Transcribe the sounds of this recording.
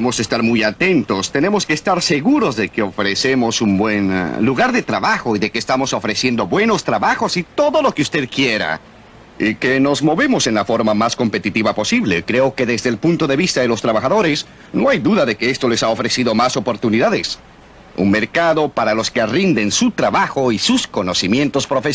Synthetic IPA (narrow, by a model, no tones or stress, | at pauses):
emosest̪aɾmujat̪e̞nt̪o̞st̪e̞ne̞mo̞skeːst̪aɾseɣuɾo̞zðekeo̞fɾesemo̞sumbwenluɣaɾðe̞t̪ɾaβaxo̞iðekeːst̪amo̞so̞fɾesje̞nd̪o̞βwe̞no̞st̪ɾaβaxo̞sit̪o̞ðo̞lo̞keust̪e̞ðkje̞ɾa̰ | ikeno̞zmo̞βe̞mo̞se̞nlafo̞ɾmamasko̞mpe̞t̪it̪iβapo̞siβle̞kɾeo̞ke̞ðezðelpunt̪o̞ðe̞βist̪aðelo̞st̪ɾaβaxaðo̞ɾes | no̞ajðuðaðe̞keest̪o̞le̞sao̞fɾe̞siðo̞maso̞po̞ɾt̪uniðaðes | ṵnmeɾkaðo̞paɾalo̞skerind̪ensut̪ɾaβaxo̞isusko̞no̞simje̞nt̪o̞spɾo̞fe